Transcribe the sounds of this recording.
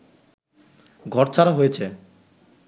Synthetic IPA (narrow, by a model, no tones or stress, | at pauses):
ɡʱɔɾt͡ɕʰaɾaɦojet͡ɕʰe